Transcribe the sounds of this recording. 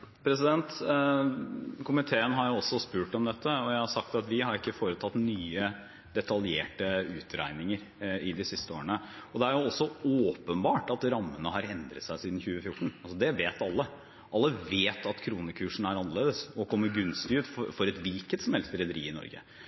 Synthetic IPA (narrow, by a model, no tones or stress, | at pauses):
pʰɾɛs̬ɪd̪ɛnt̪ | kʰʊmɪt̪ʰeːənɦɑɾjʊɔsːɔspʉːʈɔmd̪ɛt̪ʰːəɔjæɪhɑɾsɑkt̪ɑt̪ʋɪɦɑɾɪkːəfoːɾət̪ʰɑt̪nyːə | d̪ɛt̪ʰɑljeːʈəʉːt̪ʰɾæ̰ɪnɪŋəɾ | ɪd̪ɪsɪst̪əoːɾəɳəɔd̪ɛæɾjʊɔsːɔoːpənbɑːʈɑt̪ɾɑmːənəɦɑɾɛnd̪ɾə̰t̪sæɪsiːd̪n̩çʉːəfjʊʈːɳ̩ɑlsɔd̪ɛʋeːt̪ɑlːə | ʔɑlːəʋeːt̪ʰɑt̪kʰɾuːnəkʰʉːʂɳ̩æɾɑnːəleːd̪əsɔkʰɔmːəɾɡʉnst̪ɪʉːt̪ffɔɾɛt̪ʋɪlkət̪sɔmhɛlst̪ɾɛd̪əɾḭːɪnɔ̰ɾɡə̰